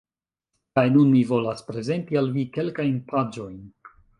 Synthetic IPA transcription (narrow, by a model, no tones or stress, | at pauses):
kajnunmivo̞laspɾe̞ze̞ntialvike̞lkajnpʰad͡ʒo̞jn